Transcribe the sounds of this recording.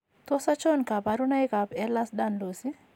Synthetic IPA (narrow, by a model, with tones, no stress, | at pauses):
t̪ɔ˦sa˦t͡ʃɔ˦nka˨pa˨ɾu˦na˦jka˨pɛ˦la˦sda˦nlo˨si˦